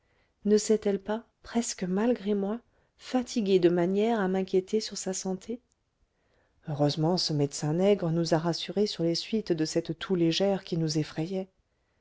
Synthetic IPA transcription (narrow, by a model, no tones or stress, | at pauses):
nəsɛt̪ɛlpa | pχɛskəmalɡʁemwa | fat̪ʰiɡʲed̪əmanjɛʁamɛ̃kʲjet̪esyʁsasɑ̃t̪ʰe | øʁøzmɑ̃səmɛd̪sɛ̃nɛɡʁənuzaʁasyʁesyʁlesɥit̪d̪əsɛt̪ːʰuleʒɛʁkʲinuzefχɛjɛ